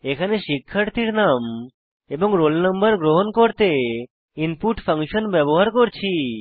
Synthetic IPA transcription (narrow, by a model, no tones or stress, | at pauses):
ekʰaneʃikʰːaɾt̪ʰiɾnam | eboŋɾolnəmbəɾɡɾoɦonkoɾt̪e | inpuʈfʰəŋʃonbɛboɦaɾkoɾt͡ɕʰi